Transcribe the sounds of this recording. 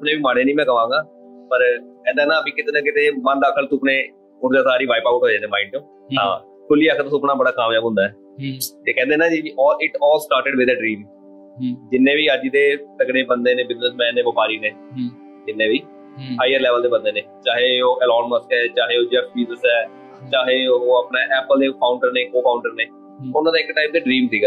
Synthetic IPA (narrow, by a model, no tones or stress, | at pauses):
əpnẽːʋiːmaːɽẽːnĩːmɛ̃ːkəʋãːŋɡaː | pəɾɛ̃ːnd̪aːnãːəpiːkɪt̪eːnãːkɪt̪eːmənɖaːkʰəlt̪ũːpneː | ʊɾd͡ʒ̪aːsaːɾiːʋaːɪpaːkʊʈɦoːd͡ʒẽːnd̪eːmaːɪɳʈõː | ɦãː | kʰʊliːəkʰt̪ʊsõːpnaːbəɽaːkaːmjaːbɦʊ̃nd̪aːɛː | t̪eːkɛ̃ːnd̪eːnãːd͡ʒiːiːʔɔːɾɪʈɔːlsʈaːɾʈɪɖʋɪd̪əɖɾiːm | d͡ʒɪnːẽːʋiːəd͡ʒit̪eːt̪əɡɽeːbənd̪eːnẽːbɪznəsmɛ̃ːnːẽːbəpaːɾiːnẽː | d͡ʒɪnːẽːʋiː | haːiːəɾlɛːʋəld̪eːbənd̪eːneːt͡ʃaːɦeːoːʔɛːlɔːnməɾkɛːt͡ʃaːɦeːoːd͡ʒəkpiːzəsɛː | t͡ʃaːɦeːoːəpneːʔɛːpəleːpʰaːʊɳʈəɾneːkoːpʰaːʊɳʈəɾneː | ʊnãːd̪aɪkʈaːɪp̚d̪eːɖɾĩːmsiːɡɛ